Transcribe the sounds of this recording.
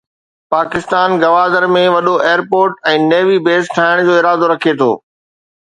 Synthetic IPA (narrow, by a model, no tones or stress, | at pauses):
paːkɪst̪aːnɡɐʋaːd̪əɾmẽʋɐɗoʔeːəɾpoːɾʈɛ̃ːneːʋibeːsʈʰaːɪɽ̃d͡ʑoːɪɾaːd̪oɾɐkʰet̪ʰo̰ː